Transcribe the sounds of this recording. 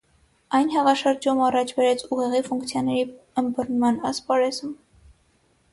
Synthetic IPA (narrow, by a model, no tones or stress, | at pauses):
ɑjnɦɛʁɑʃəɾd͡ʒumɑrɑt͡ʃʰbɛɾɛt͡sʰuʁɛʁifuŋkt͡sʰjɑnɛɾiəmbərnmɑnɑspɑɾɛzum